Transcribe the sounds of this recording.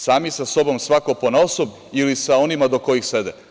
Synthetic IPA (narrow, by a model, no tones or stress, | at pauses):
saːmisaso̞bo̞msʋakoponaosob | ilisao̞nimad̪o̞ko̞jixsed̪e